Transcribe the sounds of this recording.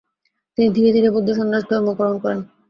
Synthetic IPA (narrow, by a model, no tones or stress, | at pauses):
t̪inid̪ʱiɾed̪ʱiɾepbod̪ʱːeoʃ̬ɔnɾaʃd̪ʱɔɾmokɔɾonkɔɾen